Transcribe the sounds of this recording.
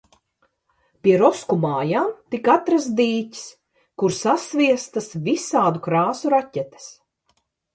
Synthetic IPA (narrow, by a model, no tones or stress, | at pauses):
pʲiɛɾɔskumaːjaːmt̪ikat̪ɾasd̪iːcʲi̥s | kuɾsasvʲiɛst̪asvisaːd̪ukɾaːsuɾatʲɛt̪e̥s